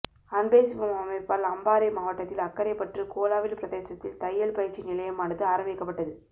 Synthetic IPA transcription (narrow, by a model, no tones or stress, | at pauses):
ɐnbeːsɪmɐmaːmɐɪpːaːlɐmbaːɾɐmaːʋɐʈːɐt̪ːɪlɐkːɐɾɐɪpːɐʈrɯkoːlaːʋɪlpɪɾɐðeːsɐt̪ːɪlt̪ɐjːɐlpɐjɐɾt͡ʃːinɪlɐjɐmaːnɐðɯaːɾɐʋɛɪkːɐpːɐʈːɐðɯ